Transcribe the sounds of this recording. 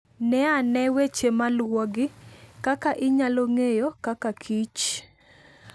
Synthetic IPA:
nɛanɛwet͡ʃemalwoɡɪkakaʔɪɲaloŋejokakakʰit͡ʃ

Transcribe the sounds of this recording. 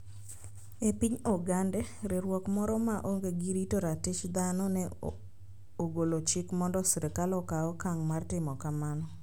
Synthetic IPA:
epiɲɔɡandɛɾeɾwɔkmɔɾɔmaʔoŋɡeɡiɾitoɾatɪt͡ʃd̪anɔnɛ | oɡolot͡ʃɪkmɔndɔsɾekalɔkaɔkaŋmartɪmɔkamanɔ

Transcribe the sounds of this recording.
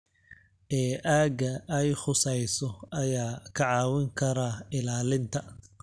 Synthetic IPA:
ʔɛːʔaːɡɐʔɛjħʊsɛjsɔɐjaːkʰɐʕɑːwɪŋkʰɐɾaːɪlaːlɪnt̪ʰɐ

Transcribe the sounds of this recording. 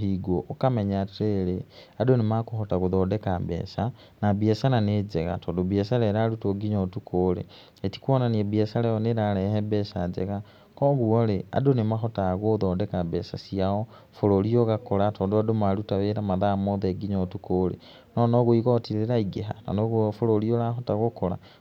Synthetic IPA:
iɡoʔːkameɲateɾeadonimakuxotaɣuðodekabḛːsa | nabesananed͡zeɣa̰tʰodobiesaleɾalutoɡiɲotukʰolḛ | eti̥kwonaniebjesalejoneɾalehebesad͡zḛɣa | koɣuolea̰donemaxotaɣoðoːdekabesasiao | foɾolioɣakolatoːdoadomalutaβeɾamaðamoðeɡiɲotukolḛ | nonoɣoiɣotiɾeɾaiɡeɦa̰no̰noɣfololiolaxotaɣokola̰

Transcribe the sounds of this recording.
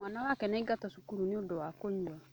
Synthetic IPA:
mwanawakɛnaiɡatɔsukuɾuneodɔwakoɲua

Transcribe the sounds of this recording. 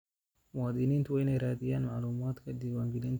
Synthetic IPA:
waːd̪ɪniːnt̪ʊwɐnɛɾaːd̪ɪjaːnmaʔluːmaːt̪kɐd̪ɪwaːŋɡɪleːn

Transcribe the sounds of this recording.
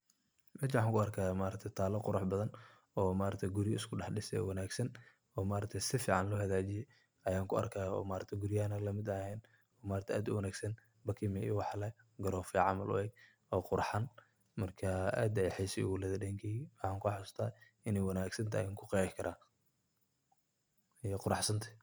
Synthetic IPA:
mɛːt͡ʃːħaːŋkʰʊɐrkʰaːmaːɾɐt̪ʰɛjt̪ʰaːlɐqʊɾʊħbɐðɐn | ɔːmaːɾɐt̪ʰɛɡʊɾɪjɪskʰʊɖɑħɗɪsɛ̰wɐnaːɡsɐn | ɔːmaːɾɐt̪ʰɛjsɪfiːʕɑnlɔːhɐðaːt͡ʃɪjɛj | ɐjaːŋkʰʊɐ̰rkʰaːɔ̰ːmaːɾɐt̪ʰɛɡʊɾɪjaːnɐlɐmɪd̪ɐhɛːn | ɔːmaːɾɐt̪ʰɛʔaːd̪ʊ̰wɐnaːɡsɐn | bɐkʰimɛʔḭwɑħlɛ | ɡɐɾɔːfjʕɑmɐ̰lʔʊ̰ɛɡ̚ | ɔːqʊɾħan | mɐrkʰɐa̰ːd̪ɐjħɛjsɛ̰wʊlɐðɐɗɛŋkʰimħɑːŋkʰʊħʊst̪ʰaː | ɪnɛjwɐnaːɡsɐnt̪ʰa̰ːjɪŋkʰʊqikʰɐɾʔaː | ɛqʊɾɑħsɐnt̪ʰɐ̥

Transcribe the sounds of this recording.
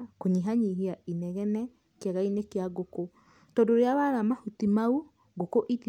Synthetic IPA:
koɲiɦaɲiɦiaʔinɛɣɛnɛ | keaɣainekeaɣoko | tɔndoɾeawaɾamahutimau | ɡokoʔið

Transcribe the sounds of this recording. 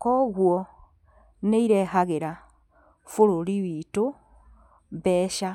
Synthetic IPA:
koɣwo | neiɾɛɦaɣeɾa | foɾoɾiwiːto | βɛʃa

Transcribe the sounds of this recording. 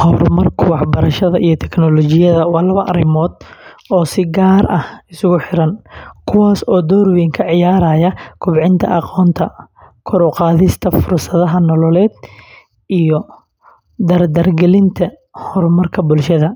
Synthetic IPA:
hɔrmɐrkʰʊwɑħbɐɾɐʃɐðɐʔijɔt̪ʰɛknɔlɔːt͡ʃɪjɐðɐwɑːlɐβɐʔɐ̰ɾɪmɔːd̪ɔːsɪɡaːɾɐhɪsʊɣʊħɪɾɐnkʰʊwaːsɔːd̪ɔːɾwɛːŋkʰɐʕɪjaːɾaːjɐkʰʊbʕɪnt̪ʰɐ̰ʔɑqɔːnt̪ʰɐ | kʰʊɾɔqɑːðɪst̪ʰɐfʊrsɐðɐɦɐnɔlɔlɛːd̪ | ʔijɔ | d̪ɐrd̪ɐrɡɛlɪnt̪ʰɐ | hɔrmɐrkʰɐbʊlʃɐðɐ

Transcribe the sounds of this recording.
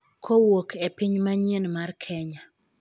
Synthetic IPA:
kʰowokepiɲmaɲenmarkʰɛɲa

